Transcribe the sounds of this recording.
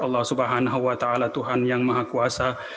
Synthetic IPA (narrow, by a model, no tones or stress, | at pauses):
ɑlːɑhsubaɦanaɦuwat̪aʔalat̪uɦanjaŋmaɦakuasa